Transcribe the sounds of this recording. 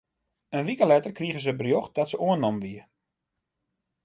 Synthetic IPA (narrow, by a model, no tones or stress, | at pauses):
ənʋikəlɛtərkriəɣəzəbərjox̚d̥ɔtsəʔuənːɔmʋiər